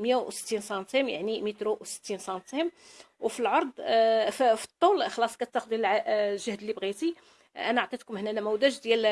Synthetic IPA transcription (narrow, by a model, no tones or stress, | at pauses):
mjæwsə̥t̪ːinsɑnt̪imja̰ʕnimit̪ɾosə̥t̪ːinsɑnt̪im | wfilʕoɾˤd̪ˤffi̥t̪ˤːulxɑlɑsˤkæt̪ːɑqd̪ilʕaʒəhd̪əlːibɣit̪i | ʔænæʕt̪ˤit̪kʊmhnænæmæwd̪æʒd̪jæl